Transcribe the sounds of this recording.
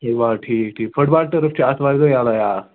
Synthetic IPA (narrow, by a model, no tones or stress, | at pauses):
ʋaʈʰiːk̚ʈʰiːkfəɽbaʈ̚t̪əɾəft͡ɕeasʋaɾɡəjalaja